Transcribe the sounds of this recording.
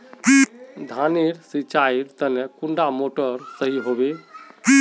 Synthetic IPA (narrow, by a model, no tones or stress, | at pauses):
id̪ʱaniɾsit͡ʃaiɾt̪ənekuɳɖamoʈəɾsəɦiɦobei